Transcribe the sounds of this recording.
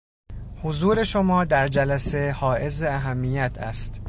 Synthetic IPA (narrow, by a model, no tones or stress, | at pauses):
hozuːɾe̞ʃomɒːd̪æɾd͡ʒælæse̞hɒːʔe̞zeæɦæmːijæt̪ʰæ̰st̪